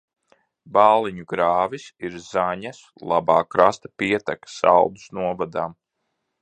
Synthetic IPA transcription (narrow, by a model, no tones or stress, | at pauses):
baːlˠiɲuɡɾaːvisiɾzaɲas | lˠabaːkɾast̪apiɛt̪akḁsa̰lˠd̪usnuɔvad̪aːm